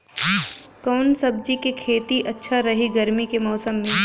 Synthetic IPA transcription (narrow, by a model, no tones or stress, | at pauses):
kɔːnsɐb̚d͡ʒikekʰeːt̪iʔɐtːʃʰaɾɐɦiɡɐɾmikemɔːsəmːẽ